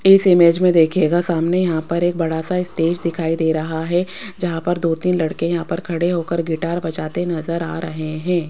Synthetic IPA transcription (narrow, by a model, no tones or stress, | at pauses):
ɪsɪmeːd͡ʒmẽd̪eːkʰeːɡasaːmnejɐɦãpɐɾeːk̚bɐɽasaɪst̪eːd͡ʒd̪ɪkʰaːid̪eːɾɐɦaɦɛd͡ʒɐɦãpɐɾd̪oːt̪iːnlɐɽkẽjɐɦãpɐɾkʰɐɽeɦoːkəɾɡɪʈaːɾbɐt͡ʃaːt̪enɐzəɾa̰ːɾɐɦeɦɛ̃ː